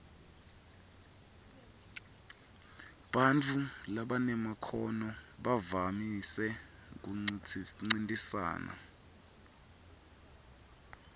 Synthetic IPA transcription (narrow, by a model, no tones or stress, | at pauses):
ɓant͡fʰulaɓanɛmakʰɔnɔɓavamisɛ | k̬uŋ͡ǀintʼisa̰ːna̰